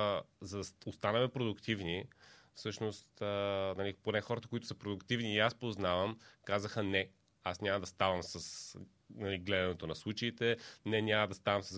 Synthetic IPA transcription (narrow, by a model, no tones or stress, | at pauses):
zɐd̪ɐost̪anəmɛpɾod̪ʊkt̪ivnifsɤʃnost̪ənɐliponɛxɔɾɐt̪əkʊit̪ʊ̥sɐpɾod̪ʊkt̪ivniːaspoznavəmkazəxənɛ | asnʲamɐd̪ɐst̪avəmsəs | nɐliɡlɛd̪ɐnɛt̪onɐslˠut͡ʃɐit̪ɛnɛnʲaməd̪ɐst̪avəmsəz